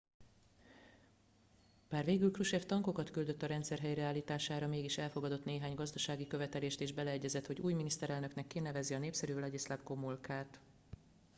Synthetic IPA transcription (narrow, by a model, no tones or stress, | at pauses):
b̥aːrveːɡylkruʃɛft̪ɒŋko̞kɒt̪kyld̪ø̞t̪ːɒɾɛnt̪sɛrɦɛjrɛaːlːiːt̪aːʃaːɾɒmeːɡiʃɛlfo̞ɡɒd̪o̞t̪neːɦaːɲɡɒzd̪ɒʃaːɡikø̞vɛt̪ɛleːʃt̪eːʒbɛlɛɛɟːɛzɛt̪ho̞ɟuːjminist̪ɛɾɛlnøknɛkːinɛvɛziɒneːpsɛɾyːlɒɟislabko̞mːulkaːt̪